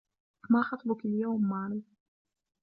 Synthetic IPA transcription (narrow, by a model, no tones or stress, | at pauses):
maːxɑt̪ˤlʊkaljawmːaːɾi